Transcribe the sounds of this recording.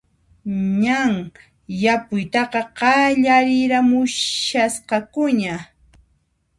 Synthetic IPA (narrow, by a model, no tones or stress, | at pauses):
ɲaŋ | japʊjt̪ɑqɑqɑʎaɾɪɾamʊʃasqɑkʊɲa